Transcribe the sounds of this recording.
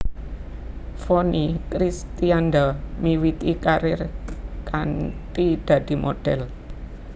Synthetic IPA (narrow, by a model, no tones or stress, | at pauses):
fonikɾist̪iand̪amiwit̪ikaɾɪrkant̪id̪̥ä̤d̪̥i̤mo̰ɖ̥ɛl